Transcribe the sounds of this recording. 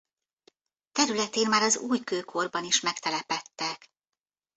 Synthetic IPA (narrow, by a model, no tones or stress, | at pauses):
t̪ɛɾylɛt̪eːnmaːɾɒzuːjkøːkʰo̞rbɒniʃmɛkt̪ɛlɛpɛt̪ːɛk